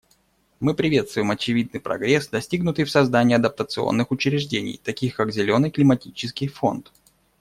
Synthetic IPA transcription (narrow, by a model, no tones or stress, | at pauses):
mɨpɾʲɪvʲe̞t̪st̪vʊjɪmɐt͡ɕɪvʲid̪̚nɨjpɾɐ̰ɡɾʲesd̪ɐsʲtʲiɡnʊt̪ɨjfsɐzd̪anʲɪːɐd̪əp̚t̪ət̪sɨo̰nːɨxʊt͡ɕɾʲɪʐdʲenʲɪ̰jt̪ɐkʲixkakzʲɪlʲo̞nɨjklʲɪmɐtʲit͡ɕɪskʲɪjfo̞̰nt̪